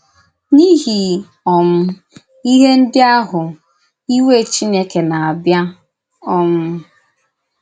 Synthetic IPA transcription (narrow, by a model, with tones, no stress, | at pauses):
ni˦ɦi˨ | ɔ˨m̩˦ | i˦ɦe˦n̩˦dɪ˦a˦ɦʊ˨ | i˦we˦˨t͡ʃi˦ne˦ke˨na˨a˨bja˦ | ɔ˦m̩˦